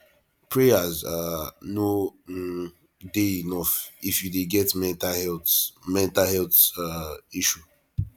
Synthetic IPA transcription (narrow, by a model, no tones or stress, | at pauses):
pʰɹejazano | deinɔfifjudeɡɛtmɛ̃ntahɛltmɛ̃ntahɛltaiʃu